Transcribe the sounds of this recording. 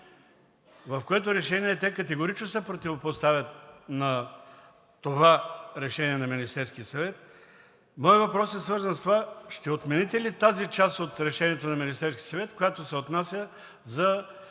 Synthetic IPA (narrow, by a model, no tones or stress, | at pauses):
vɐfkoɛt̪ʊɾɛʃɛniɛt̪ɛkɐt̪ɛɡoɾit͡ʃnosɛpɾot̪ivopost̪avʲjət̪̚nɐː | ovaɾɛʃɛniɛnɐminist̪ɛɾskʲiəsɐvɛt̪̚ | mɔjvɐpɾɔsɛsvɤɾzɐnst̪ovaʃt̪ɛot̪mɛnit̪ɛlit̪azit͡ʃasot̪ɾɛʃɛniɛt̪onɐminist̪ɛɾskʲisɐvɛt̪kojat̪osɛot̪nasʲjə | zɐ